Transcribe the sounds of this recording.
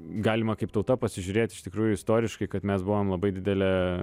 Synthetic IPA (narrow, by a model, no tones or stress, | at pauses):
ɡɑːlʲɪmɐkɐɪpt̪ɐʊt̪ɐpɐsʲɪʒʲʊɾʲeːt̪ʲɪʃt̪ʲɪkɾuːjʊɪst̪oːɾʲɪʃkɐɪkɐt̪mʲɛsbʊʋoːmlˠɐbɐɪd̪ʲɪd̪ʲɛlʲɛ